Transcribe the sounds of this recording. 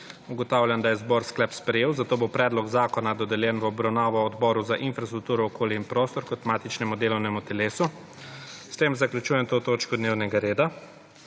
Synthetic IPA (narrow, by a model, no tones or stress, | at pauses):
uɡɔt̪aːwlʲjand̪ajɛzbɔːɾsklɛpspɾɛjeːwzat̪oːbopɾɛːd̪lɔɡzaːkɔnad̪ɔd̪ɛljɛnʋəɔbɾawnaːʋɔːd̪bɔːɾuzaʔinfɾast̪ɾuk̚t̪uːɾɔːkʰoːliinpɾoːst̪ɔɾkɔt̪maːt̪it͡ʃnɛmud̪eːlɔwnɛmut̪ɛleːsu | st̪eːmzaklʲjut͡ʃuːjɛmt̪oːt̪oːt͡ʃkɔd̪neːwnɛɡaɾeːd̪a